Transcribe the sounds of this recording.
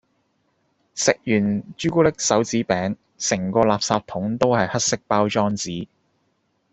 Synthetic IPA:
sɪ˨k̚jyː˨˩nt͡ʃyː˥kuː˥lɪ˥k̚sɐ˨˥wt͡siː˨˥pɛː˨˥ŋ | sɪ˨˩ŋkɔː˧laː˨p̚saː˧p̚t̪ʰʊ˨˥ŋt̪o˥whɐ˨jhɐ˥t̚sɪ˥k̚paː˥wt͡ʃɔː˥ŋt͡siː˨˥

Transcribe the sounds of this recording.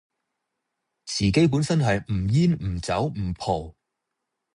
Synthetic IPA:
t͡sʰiː˨˩ke˨˥jp̬uː˨˥nsɐ˥nɦɐ˨jm̩˨˩jiː˥n̩˨˩t͡sɐ˨˥wm̩˨˩pʰo˨˩w

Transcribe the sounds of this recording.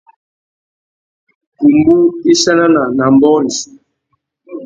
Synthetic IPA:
ku˨mbu˦i˦ʃa˦na˦na˨na˨m˨bɔ˦li˨si̥˨

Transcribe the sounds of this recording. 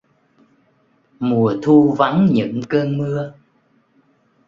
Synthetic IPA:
mu˨˩ət̪ʰu˧va˨˦nɲɨ̰˧˥ŋkəː˧nmɨ˧ə

